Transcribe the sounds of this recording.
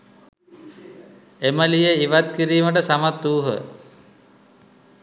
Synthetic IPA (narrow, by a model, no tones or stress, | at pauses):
eməlijeiʋat̪kiɾiːməʈ̬əsamat̪ːuːɦə̰